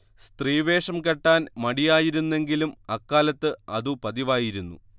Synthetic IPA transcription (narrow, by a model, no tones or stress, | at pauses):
st̪riːʋe̞ːʂɐmkɐʈːaːnmɐɽijaːjiɾunːe̞ŋɡilumɐkːaːlɐt̪ːɨɐðupɐðiʋaːjiɾunːṵ